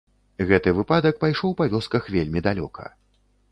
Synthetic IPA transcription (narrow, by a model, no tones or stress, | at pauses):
ɣɛt̪ɨvɨpad̪ɐk̚pajʂɔwpavʲɔskɐxvʲelʲmʲid̪alʲɔ̰kʰɐ̰